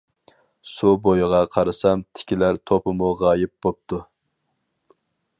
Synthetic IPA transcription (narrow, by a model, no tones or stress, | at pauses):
subojʁɑqʰɑɾɨsɑmt̪ʰɪ̥kʲilæɾt̪ʰopʰɨmʊʁɑːjɪp̚b̥op̚t̪ʰu